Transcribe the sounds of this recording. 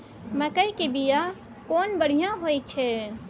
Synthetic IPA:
məkəikebija | koːnbəɽ̤ijãɦojt͡ʃʰe

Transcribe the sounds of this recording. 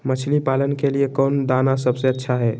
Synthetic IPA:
mət͡ʃʰlipalənkeliekɔnd̪anasəbseətːʃʰaɦɛ

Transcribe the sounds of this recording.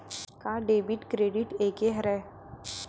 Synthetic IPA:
kaɖebiʈkɾeɖiʈekeɦɾɛ

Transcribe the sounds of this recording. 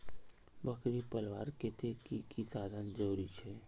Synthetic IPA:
bəkɾipəlʋaːɾkɪt̪ʰekikisaːd̪ʱənd͡ʒəuɾit͡ʃʰɛː

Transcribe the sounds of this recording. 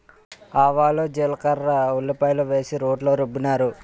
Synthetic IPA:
aːʋaːloːd͡ʒeːlɐkɐɾːɐulːɐpɐjluʋe̞ːsiɾoːɖloːɾobːunaːɾu

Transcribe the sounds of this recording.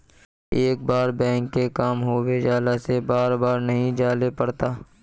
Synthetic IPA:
eːk̚baːɾbɛ̃ːŋkːekaːmɦoːwed͡ʒaːlasebaːɾbaːɾnɐɦĩd͡ʒaːlepɐɽt̪aː

